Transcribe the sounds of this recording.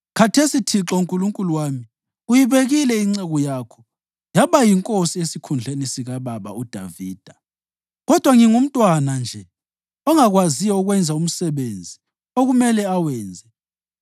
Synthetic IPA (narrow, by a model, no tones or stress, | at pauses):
kʰatʰesitʰiǁɔuŋkʼuluŋkʼuluwaːmi | ujiβeɣilɛiŋ͡ǀɛɣɔjaːkʰɔ | jaβajiŋkʼosiesikʰund͡ɮʱenisiɣaβaβa̰ud̥ʱa̰viːd̥ʱa | ɣɔd̥ʱwaŋiŋum̩tʼwanand͡ʒʱɛ | ɔŋaɣwazijɔuɣwɛnd͡zʱaum̩sɛβend͡zʱi | oɣumɛlɛawɛːnd͡zʱɛ